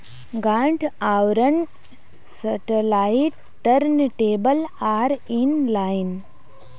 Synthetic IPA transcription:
ɡaːɳʈʰaːwɾən | sɐʈəlaːiʈ | ʈːəɾnʈeːbəlaːɾinlaːn

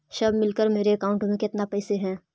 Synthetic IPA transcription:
ʃɐbmɪlkəɾmeːɾeɐkaːʊ̃ɳʈmẽkɪt̪napɛːseɦɛ̃ː

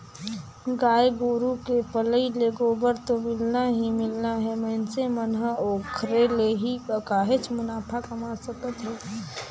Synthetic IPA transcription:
ɡaːjɡoːɾukepələileɡobəɾt̪omɪlnaɦimɪlnaɦɛməɪnsemənɦəoːkʰɾeleɦiəkaːɦet͡ʃmʊnaːpʰakəmasəkət̪ɦɛː

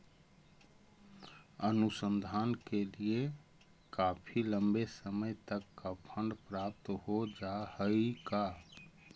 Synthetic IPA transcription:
ənusənd̪ʱankelie | kapʰiləmbesəməjt̪əkːapʰə̃ɳɖpɾap̚t̪ɦod͡ʒahəika

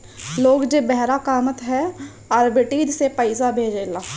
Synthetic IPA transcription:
loːɡd͡ʒebɛɦɾakaːmət̪ɦɛ | aːɾbɪʈiːd͡ʒsepəɪzabʱeːd͡ʒelaː

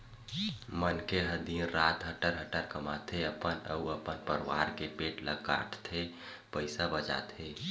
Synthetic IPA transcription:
mənkeɦəd̪inɾat̪ɦəʈəɾɦəʈəɾkəmat̪ʰeəpənə̰uəpənpəɾwa̰ɾkepeʈlə̰ɡka̰ʈt̪ʰe | pəɪsabəd͡ʒa̰t̪ʰe

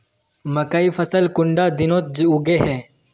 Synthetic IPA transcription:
məkaːiːfəsəlkʊɳɖaːd̪ɪnõːt̪̚d͡ʒuɡeːɦɛ̃ː

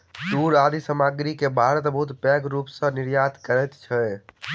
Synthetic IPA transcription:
suːɾaːd̪ʱisəmaːɡɾikebʱaːɾət̪bəɦut̪pɛɡɾuːpsə̃nɪɾjaːt̪kəɾɛt̪t͡ʃʰɛ

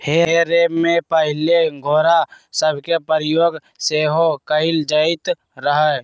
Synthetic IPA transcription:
heɾeːmẽpəɦɪleɡʱoːɾasəbʱkepəɾjoːɡ | seɦokəɪld͡ʒəɪt̪ | ɾəɦɛ

